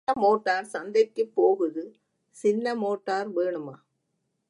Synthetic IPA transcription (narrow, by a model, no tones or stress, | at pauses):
ɐmoːʈːaːɾsɐnd̪ɐkːɯpːoːɣɯðɯ | sɪnːɐmoːʈːaːɾʋeːɳɯmaː